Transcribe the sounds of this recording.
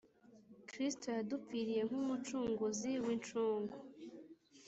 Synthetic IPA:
kɾistojadufiɾije̞ŋ̥humut͡ʃuːŋɡuziwint͡ʃuːŋɡo

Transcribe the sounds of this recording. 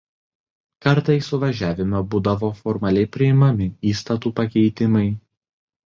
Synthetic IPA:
kɐɾt̪ɐɪsʊʋɐʒʲæːʋʲɪmɐbuːd̪ɐʋoːfɔɾmɐlʲɛɪpʲɾʲɪɪmɐmʲɪiːst̪ɐt̪uːpɐkʲɛɪt̪ʲɪmɐɪ

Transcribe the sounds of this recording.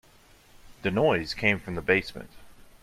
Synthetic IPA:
ð̥ɨnɔɪz̥kʰẽɪ̃ɱfɹʌ̃mðəbeɪsmɨ̰̃nt

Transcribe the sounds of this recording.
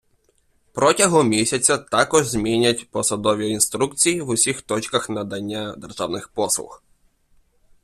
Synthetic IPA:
pɾɔtʲɐɦɔmʲisʲɐt͡sʲɐt̪akɔʒzʲmʲinʲɐtʲpɔsɐd̪ɔʋʲiinst̪ɾukt͡sʲijiwʊsʲixt̪ɔt͡ʃkɐxnɐd̪ɐnʲːad̪ɛrʒawnɪxpɔslˠʊ̰x

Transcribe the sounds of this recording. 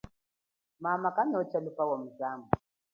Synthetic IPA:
mamakanɔt͡ʃalupawɔm̩zamu

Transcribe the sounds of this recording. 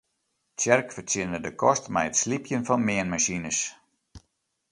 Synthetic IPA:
tɛrkfərtjɪndədəkɔstmɛjətslipjənfɔnmɪənmaɕinəs

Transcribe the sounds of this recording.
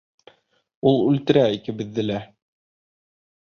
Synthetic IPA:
ulˠʉlt̪ɘ̆ɾæikɘ̆bɘ̆ðːɘ̆læ

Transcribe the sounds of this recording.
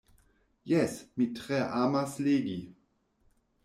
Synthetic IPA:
jɛsmitʁ̥ɛʔaːmasleːɡi

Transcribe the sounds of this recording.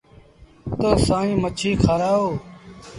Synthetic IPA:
t̪oːsaːĩːmət͡ʃʰiːkʰaɾaːoː

